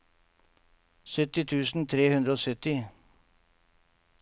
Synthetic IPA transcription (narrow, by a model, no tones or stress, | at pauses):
sœt̪ɪt̪ʰʉːsn̩t̪ʰɾeːhʉnd̪ɾəoːsœt̪ɪ